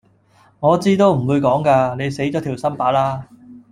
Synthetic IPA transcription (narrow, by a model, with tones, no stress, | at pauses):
ŋɔː˨˧t͡siː˥t̪o˥wm̩˨˩wuː˨˧jkɔː˨˥ŋkaː˧ne˨˧jse˨˥jt͡ɕɔː˨˥t̪ʰi˨˩wsɐ˥mpaː˨˥laː˥